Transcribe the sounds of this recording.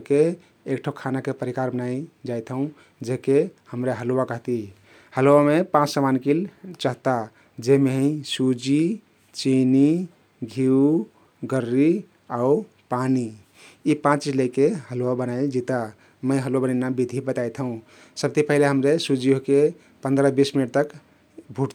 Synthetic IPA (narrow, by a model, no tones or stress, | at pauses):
keː | kʈʰokʰanakepəɾikaɾbənaid͡ʒajt̪ʰəũ | d͡ʒekehəmɾeɦəlowakəɦt̪i | həlowamepãt͡ʃsəmankilt͡ʃəɦt̪a | d͡ʒemeɦə̃isud͡ʒi | t͡ʃini | ɡʱiu | ɡəɾːi | au | pani | ipãt͡ʃt͡ʃit͡ʃləjkeɦəlowabənaid͡ʒit̪a | məjɦəloabənanabid̪ʱibət̪ajt̪ʰəũ | səb̚t̪ipəɦileɦəmɾesud͡ʒioke | pə̃nd̪ɾəbisminəʈ̚t̪ək | bʱuʈt̪a